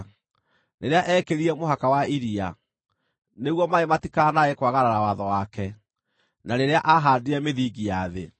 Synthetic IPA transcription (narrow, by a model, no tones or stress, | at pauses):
neɾeaʔɛːkeɾiɛmoɦakawaiɾia̰ | neɣwɔmaematikanaekwaɣaɾaɾawaðɔwakɛ | naneɾeaʔaɦaːdiɾɛmeðiɡijaðe